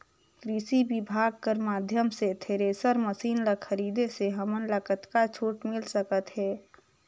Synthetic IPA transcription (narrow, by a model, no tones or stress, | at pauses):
kɾisibɪbʱaːɡ̚kəɾmaːd̪ʱjəmset̪ʰeːɾeːsəɾməsiːnləxʰəɾiːd̪eseɦəmənləkət̪kat͡ʃʰoːʈmɪlsəkət̪ɦɛː